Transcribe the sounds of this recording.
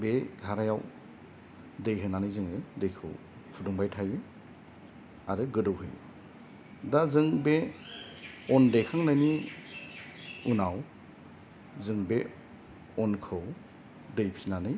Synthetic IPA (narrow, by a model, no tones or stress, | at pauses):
beɡʱaɾajaw | dejɦɯnanɯjzɯŋɯdejkʰɯw | pʰuduŋbajtʰajɯ | aɾɯɡɯdɯwɦɯj | dazɯŋbe | ɔndejkʰaŋlajni | unaw | zɯŋbe | ɔnkʰɯw | dɯjpʰinanɯj